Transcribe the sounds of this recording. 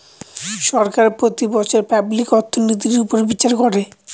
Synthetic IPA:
ʃɔɾkaɾpɾot̪ibɔt͡ɕʰeɾpablikɔɾt̪ʰːonit̪̬iɾupoɾebit͡ɕaɾkoɾe

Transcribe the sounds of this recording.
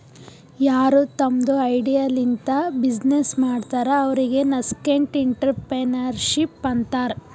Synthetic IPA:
jaːɾut̪ɐmd̪uɐjɖijalint̪ɐbid͡ʒnesmaːɖt̪aːɾeɐʋɐɾiɡe̞nɐskeɳʈiɳʈɐɾpenɐɾʃipːɐnt̪aːɾ

